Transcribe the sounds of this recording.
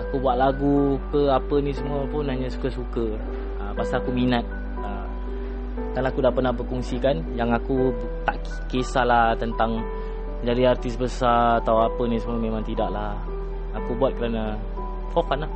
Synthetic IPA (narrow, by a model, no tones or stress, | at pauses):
akubuat̪̚laɡukəapənĩsəmuəpʊnɦaɲasu̥kəsukə | əpasaːkuminat̪̚ | ə | kalaakudapərnahbəkuŋsikanjaŋaku | t̪aʔ | kesalaht̪ənt̪aŋ | d͡ʒadiart̪ɪsbəsaat̪awapənĩsəmuəmẽmãŋt̪idaʔla | akubuat̪̚kəɾana | fofanlah